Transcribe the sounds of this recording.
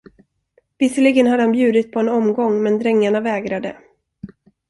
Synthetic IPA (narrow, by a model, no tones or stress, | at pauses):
vɪsəlɭɪɡənhad̪ːəhanbjʉ̟ːd̪ɪt̪̚pʰɔɛnɔmɡɔŋːmɛnd̪ɾɛŋːaɳavɛːɡɾad̪ə̰